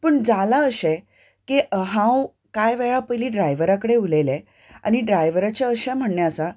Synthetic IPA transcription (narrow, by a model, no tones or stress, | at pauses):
pəɳd͡zalaəɕe | kiɦãw | kajʋɛɭapəjliːɖɾajʋəɾakəɽeulele | a̰ñiɖɾajʋəɾat͡ɕaəɕɛm̤əɳɳjasa